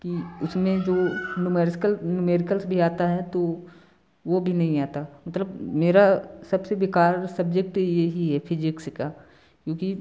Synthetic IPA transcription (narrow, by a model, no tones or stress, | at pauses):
kiʊsmẽd͡ʒoːnʊmeɾskəlnʊmeːɾɪkəlsbʱiaːt̪aɦɛt̪o | ʋobʱinɐɦĩaːt̪amɐt̪ləbmeːɾasɐbseʋɪkaːɾsɐbd͡ʒek̚ʈjeɦiɦɛpʰɪd͡ʒɪkska | kjõːki